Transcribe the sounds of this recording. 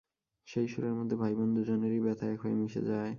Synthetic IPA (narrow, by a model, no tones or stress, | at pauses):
ʃejʃuɾeɾmod̪ʱːebʱajbond̪ud͡ʑɔneɾibɛt̪ʰaekɦoemiʃḛd͡ʑae